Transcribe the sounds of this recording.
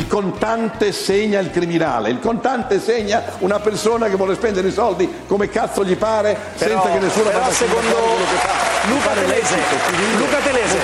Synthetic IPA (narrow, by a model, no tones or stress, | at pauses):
ilkont̪ant̪eseɲːailkɾimina̰ːlḛilkont̪ant̪eseɲːaunapersoːnakevːwɔːlespɛnd̪eɾeisɔld̪i | komekat̪sːoʎipaːɾe | sɛnsakenːesːuːnofaseond̪kolokefalukat̪lɛzkiilukat̪elɛze